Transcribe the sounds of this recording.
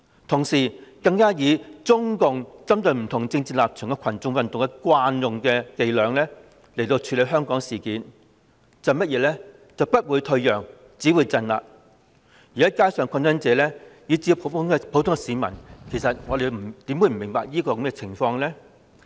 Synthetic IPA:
t̪ʰʊ˨˩ŋsiː˨˩kɐ˧ŋkaː˥jiː˨˧t͡sʊ˥ŋkʊ˨ŋt͡sɐ˥mt̪ɵ˧ɥm̩˨˩t̪ʰʊ˨˩ŋt͡sɪ˧ŋt͡siː˨˩laː˨p̚t͡ʃʰœː˨˩ŋkɛ˧kʰɐ˨˩nt͡sʊ˧ŋwɐ˨nt̪ʊ˨ŋkɛ˧kwaː˧njʊ˨ŋkɛː˧ke˨˧jlœː˨˧ŋlɛː˥ | le˨˩jt̪o˧wt͡ʃʰyː˨˧le˨˧jɦœː˥ŋkɔː˨˥ŋsiː˨˩kiː˨˥n | t͡sɐ˨˧wmɐ˥jɛː˨˧lɛː˥ | t͡sɐ˨wpɐ˥t̚wuː˨˧jt̪ʰɵ˧ɥjœː˨˩ŋ | t͡siː˨˥wuː˨˧jt͡sɐ˧nla̰ː˨k̚ | jiː˨˩ɐ˦˥kaː˥jsœː˨˧ŋkʷʰɐ˧nsɐ˥nt͡sɛː˨˧lɛː˥jiː˨˧t͡siː˨˧jŋpʰo˨˧˥wt̪ʊ˥ŋkɛ˧siː˨˧mɐ̰˨˩nkʰe˨˩sɐ˨t̚ŋɔː˨˧d̪e˨˩jm̩˨˩t̪iː˨˥mwu˨˧jm̩˨˩mɪ˨˩ŋpaː˨k̚jiː˥kɔ˧kɐ˨˧˥mkɛ˧t͡sʰɪ˨˩ŋfɔː˧ŋlɛː˥

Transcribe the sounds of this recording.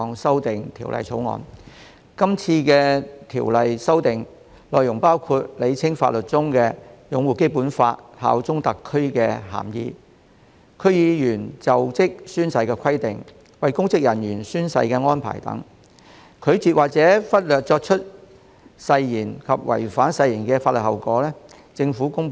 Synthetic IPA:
ŋsɐ˥wt̪ɪ˨ŋt̪ʰiː˨˩wlɐ̰˨jt͡sʰo˨˥wŋɔ̰ː˨˧n | kɐ˥mt͡sʰiː˧kɛː˧t̪ʰiː˨˩wlɐ˨jsɐ˥wt̪ɪ˨ŋ | lɔː˨jʊ˨˩ŋpaː˥wkʰuː˧t̚le˨˧jt͡sʰɪ˥ŋfa̰ː˧t̚lɵ˨t̚t͡sʊ˥ŋkɛː˧jʊ˨˧ŋwuː˨˩ke˥jpuː˨˥nfa̰ː˧t̚ha̰ː˨˥wt͡sʊ˥ŋt̪ɐ˨kʰːɵ˥ɥkɛ˧ɦa̰ː˨˩mjḭː˧ | kʰɵ˥˧˥ɥjiː˨˧jyː˨˩nt͡sɐ˨wt͡sɪ˥k̚syː˥nsɐ˨˧jkɛː˧kʰɐ˥jt̪ɪ˨ŋ | wɐ˨jkʊ˥ŋt͡sɪ˥k̚jɐ˨˩njyː˨˩nsyː˥nsɐ̰˧jkɛː˧ŋɔː˥npʰa̰ː˨˩jt̪ɐ̰˨˥ŋ | kʰɵ˨˧ɥt͡siː˨t̚waː˨k̚t͡sɛː˨˥fɐ˥t̚lœː˨k̚t͡ʃɔː˧k̚t͡ʃʰɵ˥t̚ | sɐ˧jːiː˨˩nkʰɐ˨p̚wɐ̰˨˩jfaː˨˥nsɐ˧jiː˨˩nkɛː˧faː˧t̚lɵ˨t̚hɐ˨˩wkɔː˨˥lɛː˥ | t͡sɪ˧ŋfuː˨˥kʊ˥ŋ

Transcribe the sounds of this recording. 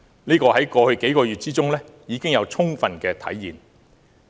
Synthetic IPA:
niː˥kɔː˧hɐ˨˥jkɔː˧hɵ˧ɥke˨˥jkɔː˧jyː˨t̚t͡siː˥t͡sʊ˥ŋlɛː˥ | jiː˨˧˥kɪ˥ŋjɐ˨˧wt͡sʰʊ˥ŋfɐ˧nkɛː˧t̪ʰɐ̰˨˥jːiː˨˩n

